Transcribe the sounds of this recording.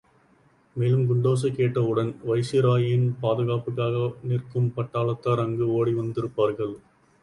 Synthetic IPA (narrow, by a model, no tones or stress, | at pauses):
meːlɯmɡʊɳɖoːs̬ɐkːeːʈːɐɯɽɐnʋɐɪsɪɾaːjɪnpaːðɯɣaːpɯkːaːɣɐniːrkɯmpɐʈːaːɭɐt̪ːaːɾɐŋɡɯoːɽiʋɐnd̪ɪɾɯpːaːɾɣɐɭ